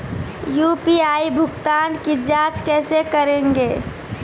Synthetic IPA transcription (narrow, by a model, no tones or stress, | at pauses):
juːpiaːibʱʊɡt̪aːnkid͡ʒaːt͡ʃkɛːsekəɾẽːŋɡeː